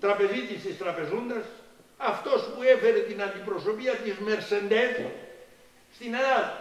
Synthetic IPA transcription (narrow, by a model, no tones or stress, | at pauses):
t̪ɾɐpe̞zit̪ist̪ist̪ɾɐpe̞zund̪ɐs | ɐft̪o̞spuefeɾet̪inɐnd̪ipɾo̞so̞piɐt̪izme̞ɾse̞nd̪eθi | st̪ineɾa